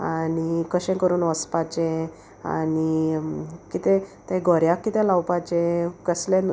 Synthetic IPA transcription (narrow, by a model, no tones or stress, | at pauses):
anikəɕɛ̃kəɾuːnʋəspat͡ɕẽ | a̰ni | kit̪ɛ̃t̪ɛ̃ɡʱɔɾjãkːit̪ɛ̃lawpat͡ɕẽkəslẽn